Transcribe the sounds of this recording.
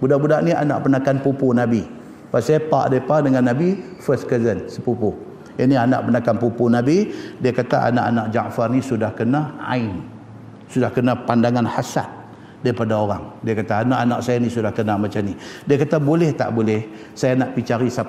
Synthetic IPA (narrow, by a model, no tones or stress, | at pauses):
budaʔbudaʔnia̰na̰ʔpənakanpupunabi | pasaapa̰ʔdaipadəŋanːabifəskəzənsəpupo | iniana̰ʔpənakanpupunabidiakat̪aʔa̰naʔanaʔd͡ʒaʔfarnisudahkənaa̰in | sudahkənapandaŋanhasa̰t̪̚ | daɾipadaoɾa̰ŋdiakat̪aːnaʔanaʔsajanisudahkənamat͡ʃamnidiakat̪abolɛht̪a̰ʔbolɛh | sajanaʔpit͡ʃaɾisa